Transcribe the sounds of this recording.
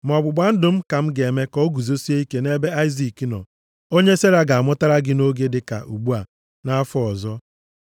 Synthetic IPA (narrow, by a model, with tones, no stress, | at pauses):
m˨ɔ˨ɡ͡bʊ˨ɡ͡ba˦n̩˦dʊ˨m̩˦ka˨m̩˦ɡe˨me˦kɔ˦ɡu˨zo˦si˦e˦i˦ke˦ne˦be˦a˦ɪ˦zi˨ki˨nɔ̰˨ | o˦ɲe˦se˦ɾa˦ɡa˨a˨mʊ˦ta˦ɾa˦ɡɪ˦no˦ɡe˦dɪ˨ka̰˨ʔu˨ɡ͡bu˦a˨ | na˦fʊ˦ɔ˨zɔ˦